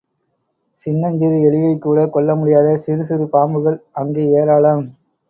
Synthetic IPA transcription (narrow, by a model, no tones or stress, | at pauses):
sɪnːɐɲd͡ʒɪɾɛɭɪʋɐɪkːuːɽɐkɔɭːɐmʊɽɪjaːðɐsɪɾɯsɪɾɯpaːmbɯɣɐɭɐŋɡeːeːɾaːɭɐm